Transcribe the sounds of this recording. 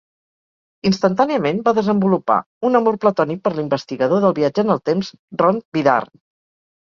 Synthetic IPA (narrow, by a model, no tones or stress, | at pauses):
inst̪ənt̪aniəmenbaðəzəmbulupa̰ | unəmorplət̪ɔnik̚pəɾlimbəst̪iɣəðoðəlˠβiad͡ʒəːnəlˠt̪emz | rɔnbiða̰r